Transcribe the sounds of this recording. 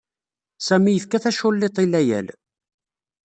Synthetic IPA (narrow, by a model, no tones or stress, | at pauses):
sæmijəθkæθæʃʊlːet̪ˤilːæjæ̰l